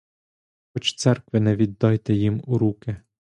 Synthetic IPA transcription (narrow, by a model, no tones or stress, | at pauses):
xɔt͡ʃt̪sɛrkʋɪnɛʋʲid̪ːɑjt̪ɛjimuɾukɪ